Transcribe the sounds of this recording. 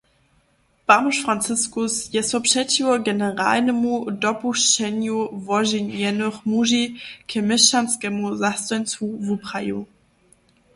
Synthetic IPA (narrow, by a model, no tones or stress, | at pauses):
pamoʃfʁ̥ant͡sɪskʊsjɛsɔpʃɛtiɔɡɛnəʁa̰ːlnəmudɔpuʃɛnjuvɔʒinjɛnoχmuʒikʰɛmɪʃanskɛmuzastɔnt͡suvupʁajṵ